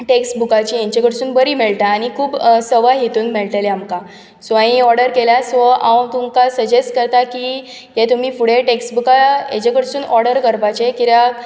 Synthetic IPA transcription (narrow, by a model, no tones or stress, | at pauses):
ʈeksʈbukat͡ɕiːjãɲt͡ɕekəɽsuːnbəɾiːmeɭʈ̪aːñikʰuːbsəʋaɦet̪uːnmeɭʈ̪eleamkã | sʋãĩɔɾɖəɾkelasʋəawt̪umkasəd͡ʑesʈkəɾt̪aki | jet̪um̤iːfuɽ̤eʈeksʈbukajḛ̃t͡ɕekəɽsuːnɔɾɽəɾkəɾpat͡ɕekiɾja